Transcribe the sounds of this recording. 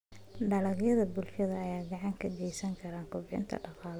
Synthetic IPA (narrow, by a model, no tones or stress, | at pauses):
ɖɐlɐɣjɐðɐbʊlʃɐðɐːjaːɡɑʕɑŋkʰɐd͡ʒɛjsɐŋkʰɐɾaːŋkʰʊbʕɪ̰nt̪ʰɐ̰ɖɑqɑːl